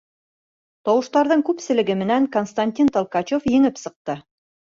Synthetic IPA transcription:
t̪ɒwɤ̆ʃt̪ɑɾðɤɴkʉpsɘ̆lɘ̆ɡɘmɘ̆næŋkonst̪anʲt̪ʲint̪ŏlˠkɑt͡ɕofjɘ̆ŋɘpsɤ̆q̚t̪ɤ

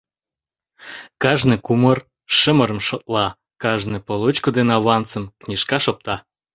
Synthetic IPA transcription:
kɑʒnɨkumər | ʃə̆məɾə̆mʃot̪lɑ | kɑʒnɨpolˠot͡ɕkod̪enɑβɑnt͡sə̆mknʲiʃkɑʃop̚t̪ɑ

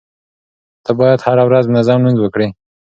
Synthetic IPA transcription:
t̪ʰabɑjad̪haɾawɾaznɪzɑmnunzwəkɽi

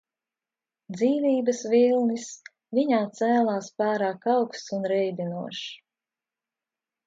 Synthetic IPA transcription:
d̪ziːviːbɐsvilˠnis | viɲaːt̪sæːlˠaːspaːɾaːkɑwkst̪unɾɛjd̪ʲinuɔʃ

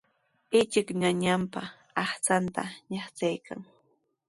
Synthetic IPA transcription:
ɪt͡ʃɪkɲaɲampaː | χt͡sant̪a̰ɲaχt͡sajkʰa̰ŋ

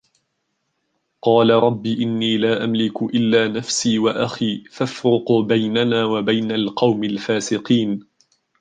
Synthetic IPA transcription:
qɑːlaɾˤɑbːiːʔɪnːiːlaːʔamlɪkʊʔɪlːaːnafsiːwaʔaxiːfafɾɪqbajnanaːwabajnalqɑwmɪlfaːsɪqiːn

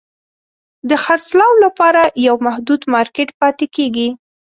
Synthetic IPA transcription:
d̪əxaɾt͡slɑwlapɑɾajawmahd̪ud̪mɑɾkeʈpɑt̪ekeɡi

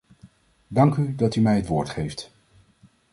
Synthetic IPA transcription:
dɑŋkydɑtymɛjətʋʊːɹtχejft

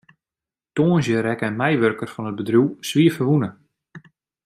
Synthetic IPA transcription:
toːnzjəɾɛkɛnmɛjʋørkərfɔnət̚bədruwsʋiːəfəʋunə

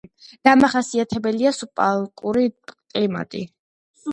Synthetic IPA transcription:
d̪̥amaχasiat̪ʰɛbɛliasupʼalˠkʼuɾikʼlima̰t̪ʼḭ

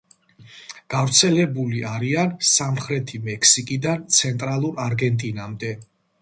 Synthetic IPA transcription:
ɡ̥avɾt̪sʰɛlɛbuliʔaɾiansamχɾɛt̪ʰimɛkʰsikʼid̪ant̪sʰɛnt̪ʼɾalˠuɾaɾɡɛnt̪ʼinamd̪ɛ

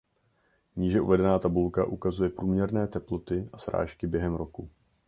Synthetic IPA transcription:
ɲiːʒɛʔṵvɛdɛnaːt̪abulkaʔukazujɛpɾuːmɲɛɾnɛːt̪ɛplot̪ɪʔasɾa̰ːʃkɪbjɛɦɛmɾo̞ku

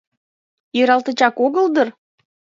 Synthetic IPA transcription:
jiɾɑlt̪ə̆t͡ɕɑkoɣəld̪ər

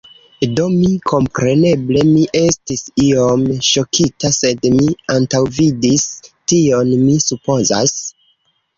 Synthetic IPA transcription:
do̞mikʰo̞mpɾe̞ne̞ble̞miʔe̞stisio̞mʃo̞kʰitase̞dmiantawvidistio̞nmisupo̞za̰s

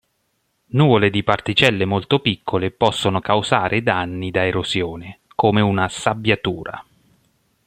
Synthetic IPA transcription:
nuːvoled̪ipart̪it͡ʃɛlːemolt̪opikʰːolepɔsːonokawzaːɾʔed̪anːid̪aeɾozjoːne | koːmeunasabjat̪uːɾa̰

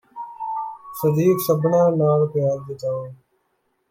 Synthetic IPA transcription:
səd̪iːksəbʱnãːnaːlpɪjaːnd̪ɪt̪aːoː

